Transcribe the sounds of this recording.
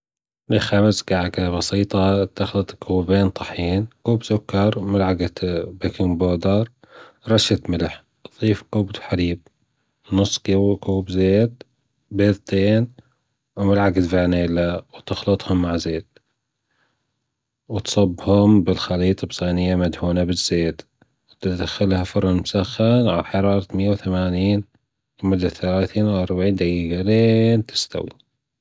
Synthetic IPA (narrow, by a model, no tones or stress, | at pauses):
lɪxabzɡaʕɡabɑsiːt̪ˤɑt̪ɪxlɨt̪ˤkʰuːbeːnt̪ˤɑħiːnkuːbzʊkːɑɾˤmɪlʕaɡat̪bɪkɪmboːd̪ɑɾˤ | ɾˤɑʃat̪mɪlħ | ðˤiːfkubd̪ħaɾiːb̚ | nʊsˤːkɪwkuːbzeːd̪̚ | beːðˤt̪eːn | wmɪlʕaɡat̪vaːneːlawt̪ɪxlɨt̪ˤhʊmːaʕzeːt̪̚ | wt̪sˤɑbːhʊmbɪlxaliːt̪ˤɑbsˤaːnɪjːamad̪huːnabɪzːeːt̪ | wt̪ɪd̪axːɪlhafʊɾˤɑnmʊsaxːanʕalħɑɾˤɑːɾˤɑt̪mɪjːawθamaːniːn | lmʊd̪ːaθalaːθiːnwʔɑɾˤbaʕiːnd̪aɡiːɡaleːnt̪ɪ̥st̪a̰wḭ